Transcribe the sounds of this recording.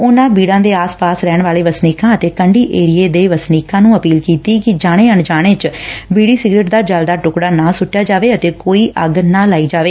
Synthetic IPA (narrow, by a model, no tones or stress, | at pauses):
ʊnãːbiːɽãːd̪eːaːspaːsɾɛːɳʋaːleːʋəsniːkãːət̪eːkəɳɖiːʔeːɾieːd̪eːʋəsniːkãːnũːəpiːlkiːt̪iːkɪd͡ʒaːɽ̃eːəɳd͡ʒaːɽ̃eːt͡ʃbiːɽiːsɪɡɾeːʈd̪aːd͡ʒəld̪aːʈʊkɽaːnãːsʊʈːjaːd͡ʒaːʋeːət̪eːkoːiːʔʔəɡnãːlaːiːd͡ʒaːʋeː